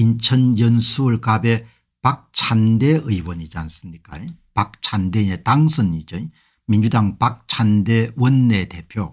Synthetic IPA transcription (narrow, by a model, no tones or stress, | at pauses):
int͡ɕʰʌnjʌnsʰuɯɭkabe̞ | pak̚t͡ɕʰande̞ʔɯiwʌnid͡ʑians͈ɯmɲik͈a̰epak̚t͡ɕʰandeetaŋsʰʌnid͡ʑʌi | mind͡ʑudaŋpak̚t͡ɕʰande̞wʌnːete̞pʰjo